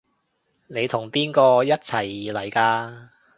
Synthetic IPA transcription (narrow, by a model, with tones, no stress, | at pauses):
ne˨˧jt̪ʰʊ˨˩ŋpiː˥nkɔː˧jɐ˥t̚t͡sʰɐ˨˩jlɐ˨˩jkaː˧